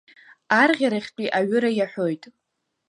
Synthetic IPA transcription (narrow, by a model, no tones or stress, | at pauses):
arʁʲaɾaχʲt͡pʼiʔaɥʏɾajaħʷᶣojtʼ